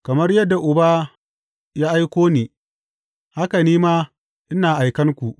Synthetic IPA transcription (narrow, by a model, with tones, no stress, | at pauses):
kɐ˨mɐ˦rjɐ˦dːa˨ʔʊ˨ba˦ | jaː˦ʔa˦jkʷoː˦niː˨ | ha˦ka˨niː˦maː˦ | ʔɪ˦naː˨ʔa˨jkɐ˦ŋkʷu˨ʔ